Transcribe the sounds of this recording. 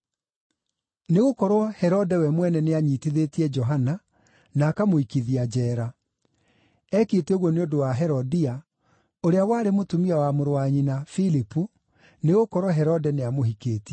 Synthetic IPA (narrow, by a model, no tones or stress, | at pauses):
neɣokɔɾwɔhɛɾɔdɛwɛmwɛnɛneaɲiːtiðetiɛd͡ʒɔɦana | naːkamoikiðiad͡ʑɛːɾa | ɛketeoɣwɔneodowaɦɛɾɔdia | oɾeawaːɾemotomiawamoɾowaɲinafilipu | neɣokɔɾwɔɦɛɾɔdɛneamohikeːtiɛ